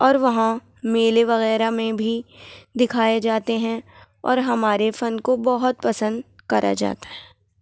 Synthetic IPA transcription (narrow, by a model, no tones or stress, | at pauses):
ɔːɾʋɐɦã | meːleʋɐɣɛːɾamẽbʱid̪ɪkʰaːed͡ʒaːt̪eɦɛ̃ | ɔ̰ːɾɦɐmaːɾefɐnkobɐɦʊt̪̚pɐsə̃nd̪kɐɾʔa̰d͡ʒa̰ːt̪aɦɛː